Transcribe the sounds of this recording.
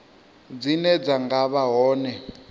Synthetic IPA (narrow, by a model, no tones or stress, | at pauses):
d͡zinɛd͡zaŋɡaβaɦɔːnɛ